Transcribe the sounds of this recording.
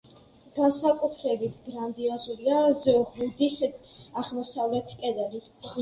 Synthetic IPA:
ɡ̥ansakʼut̪ʰɾɛbit̪ʰɡɾand̪iazuliazʁud̪isaʁmɔsavlɛt̪ʰkʼɛd̪ɛli

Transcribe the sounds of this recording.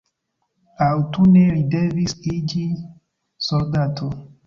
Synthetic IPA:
awtune̞ɾide̞visid͡ʒi | soldatʰo

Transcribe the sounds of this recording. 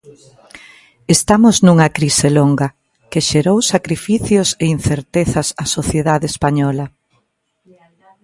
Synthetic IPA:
est̪amʊznuŋɐkɾiseloŋɡɐ | keʃeɾowsakɾifiθjosein̟θeɾt̪eθɐsasoθjeðaðeːspaɲɔlɐ

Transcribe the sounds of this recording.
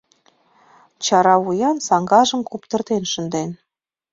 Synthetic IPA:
t͡ɕɑɾɑujɑnsɑŋɡɑʒə̆mkupt̪ə̆rt̪enʃə̆nd̪en

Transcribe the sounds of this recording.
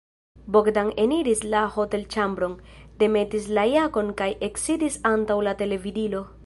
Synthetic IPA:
bo̞kdaŋe̞niɾislaho̞te̞lt͡ʃambɾo̞ŋde̞me̞tis̬lajako̞nkajʔe̞ksidisantawlate̞le̞vidilo̞

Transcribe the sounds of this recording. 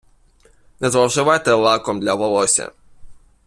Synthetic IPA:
nʲɛzvawʐɨvajt̪ɛlˠakɔmd̪lʲavɔlˠɔsʲɛ̰

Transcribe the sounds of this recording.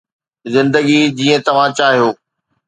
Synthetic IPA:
zɪ̃nd̪əɡid͡ʑiːə̃t̪ɐʋ̤ãt͡ɕaːɦijoː

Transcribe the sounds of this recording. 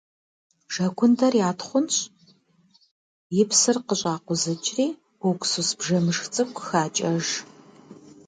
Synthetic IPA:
ʒ̥ɐkʷʰʊndɐrjaːtʰχʷʊnɕʼ | jɪpsɨrqəɕʼaːqʷʊzɐt͡ʃʼriː | ʊkʷsusbʒɐmɨʂxt͡sʼɨkʷʰʼxaːt͡ʃʼɐʒ

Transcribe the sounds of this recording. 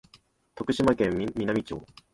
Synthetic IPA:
t̪o̞kɯ̟ɕimakẽmʲiːinamʲit͡ɕo̞̰ː

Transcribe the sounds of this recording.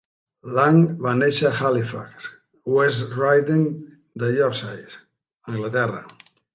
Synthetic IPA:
laŋβaneʃaxalifa̰ks | wesrajðiŋ | d̪əʎɔɾsajs | əŋɡlat̪ɛra̰

